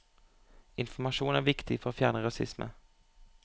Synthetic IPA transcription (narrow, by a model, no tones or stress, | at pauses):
ɪnfɔɾmaʂuːnæɾvɪkt̪ʰɪɡfœɾatfjæːɳaɾasɪ̰smə̰